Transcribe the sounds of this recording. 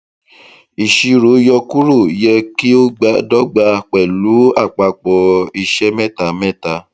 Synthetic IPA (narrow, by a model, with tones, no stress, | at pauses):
i˨ʃi˧ɾo˨˦jɔ˧ku˦ɾu˦˨jɛ˧ki˦o˦ɡ͡ba˨˦dɔ˦ɡ͡ba˧k͡pɛ˨lu˨˦a˦˨k͡pa˧k͡pɔ˧i˧ʃɛ˦mɛ˦˨ta˨mɛ̃˦˨ta˧